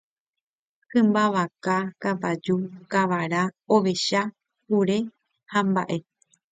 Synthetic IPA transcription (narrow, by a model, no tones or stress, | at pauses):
kɨ̃mbaʋakakapad͡ʒukaʋaɾaoʋe̞ʃa | huɾe̞ | hãmba̰ʔe̞